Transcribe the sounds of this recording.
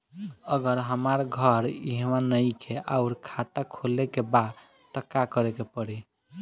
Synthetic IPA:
əɡəɾɦəmaɾɡʱəɾiɦmanəjkʰeʔa̰uɾkʰat̪akʰolekebad̪ | t̪əkːakəɾɛkepəɽi

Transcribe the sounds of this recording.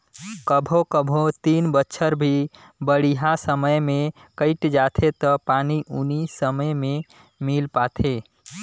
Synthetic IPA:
kəbʱokəbʱot̪inbətːʃʰəɾbʱi | bəɽ̤iɦasəməjmẽ | kəɪʈd͡ʒat̪ʰet̪ɔpaniʔunisəməjmẽ | milpat̪ʰeː

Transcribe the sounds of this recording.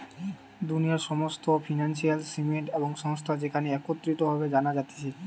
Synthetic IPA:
d̪uniaɾʃɔmost̪ofʰinanʃialsimeʈeboŋʃɔŋst̪ʰad͡ʑekʰaneɛkot̪ːɾit̪obʱabed͡ʑanad͡ʑat̪e̥t͡ɕʰi

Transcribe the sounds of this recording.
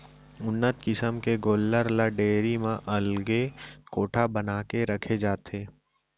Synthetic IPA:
ʊnːət̪kɪsəmkeɡoːlːəɾlaɖeːɾimãʔɐlɡekoːʈʰabɐnaːkeɾɐkʰed͡ʒaːt̪eː

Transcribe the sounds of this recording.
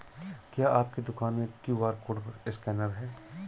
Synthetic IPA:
kjaːʔaːp̚ked̪ʊkaːnmẽkjũʋaːɾkʊɖɪskɛːnəɾɦɛː

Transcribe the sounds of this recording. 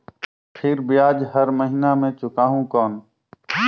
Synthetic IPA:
pʰɪɾbiaːd͡ʒɦəɾməɦiːnaːmẽːt͡ʃʊkaːɦũːkɔːn

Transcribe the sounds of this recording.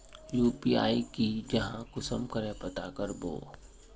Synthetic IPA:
juːpiːa̰ːikid͡ʒɐɦãkʊsəmkəɾẽpɐt̪akəɾbo̰ː

